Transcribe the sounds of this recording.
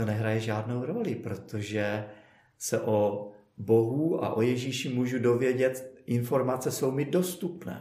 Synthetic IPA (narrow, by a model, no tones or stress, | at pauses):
onɛɦɾajɛʒaːdno̞wɾo̞lɪpɾo̞t̪ʰo̞ʒɛ | sɛʔo | bo̞ɦua̰ʔo̞jɛʒiːʃɪmuːʒudo̞vjɛɟɛt̪ʔɪnfo̞ɾmat͡sɛso̞wmɪdo̞st̪upnɛ̰ː